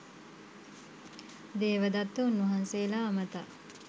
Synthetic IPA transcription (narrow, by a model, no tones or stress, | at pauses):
d̪eːʋəd̪at̪ːunːuɦanseːlaːmət̪a